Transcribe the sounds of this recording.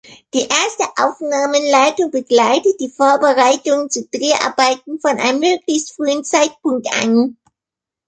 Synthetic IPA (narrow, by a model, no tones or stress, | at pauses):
d̥iːʔeːɐstəʔa̰ʊfnaːmənlaɪtʊŋbəɡlaɪtət̚d̥iːfoːɐbəʁaɪtʊŋənt͡suːd̥ʁeːʔa̰ɐbaɪt̚n̩fɔnʔa̰ɪnəmøːɡlɪçstfʁ̥yːənt͡saɪt̚pʊŋk̚tʔa̰n